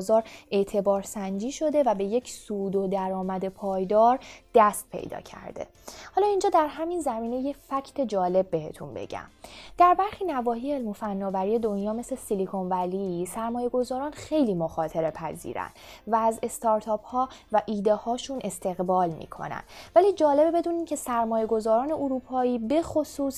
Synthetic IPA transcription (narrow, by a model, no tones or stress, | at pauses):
zɒːɾe̞t̪ʰe̞bɒːɾsænd͡ʒiːʃo̞d̪e̞væbe̞je̞cʰsuːd̪od̪æɾɒːmæd̪e̞pʰɒːjd̪ɒːɾd̪̥æst̪̚pʰe̞̰jd̪ɒ̰ːcʰæ̰ɾd̪e̞̰ | hɒːlɒːind͡ʒɒːd̪æɾɦæminzæmiːne̞je̞cfæcʰt̪ʰed͡ʒɒːle̞b̚ːe̞he̞̰t̪ʰṵnbe̞̰ɟæ̰md̪̥æɾbæɾxiːnævɒːɦiːeeːlmo̞fænːɒːvæɾije̞d̪o̞njɒːme̞slesilikʰonvælisæɾmɒːje̞ɡo̞zɒːɾɒːnxe̞jliːmoxɒːt̪ʰe̞ɾe̞pʰæzḭːɾæ̰nd̪væːze̞st̪ʰɒːɾt̪ʰɒːphɒːvæʔiːd̪ehɒːʃunʔe̞st̪ʰe̞ɣbɒːlmḭːkʰo̞̰næ̰nd̪̥væliːd͡ʒɒːle̞bebe̞d̪uːniːncʰe̞sæɾmɒːje̞ɡo̞zɒːɾɒːne̞ʔoɾuːpʰɒːiːbe̞xo̞suːs